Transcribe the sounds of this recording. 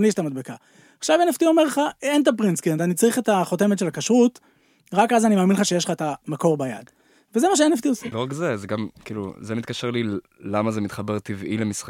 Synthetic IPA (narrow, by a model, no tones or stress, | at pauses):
mlieʃt̪amad̪beka | aχʃaveneft̪io̞me̞ʁleχaent̬ap̬ʁinskient̪anit͡saʁiχet̪aχo̞te̞metʃe̞lakaʃʁut | ʁakazanimaːminlχaʃe̞jeʃlχaet̪amako̞ʁbaja̰d | vezemaʃ̬eeneft̪ioseloʁakzezeɡamkiːlṵzemit̪̚kaʃeʁli | lamazemit̪χabeʁt̪ivʔilemisχa